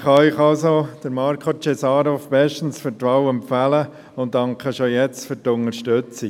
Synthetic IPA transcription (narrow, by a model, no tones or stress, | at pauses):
χɑɪχɑlsod̥əɾmɑɾkʰot͡ʃesɑːɾofb̥ɛʃtən̩sfəɾtɾawəmpfælə | ʊn̚dɑŋkχəʃojɛt͡stføɾtʊnəɾʃtøt͡si